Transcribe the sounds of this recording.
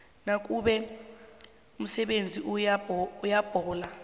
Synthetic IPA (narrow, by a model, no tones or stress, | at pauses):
nak̬ʼuɓɛ | um̩sɛɓend͡zʱi | ujab̥ʱɔːla